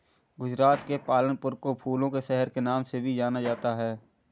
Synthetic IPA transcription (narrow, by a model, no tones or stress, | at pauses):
ɡʊd͡ʒɾaːt̪kepaːlənpʊɾkopʰuːlõkeʃɛɦəɾkenaːmsebʱid͡ʒaːnad͡ʒaːt̪aɦɛː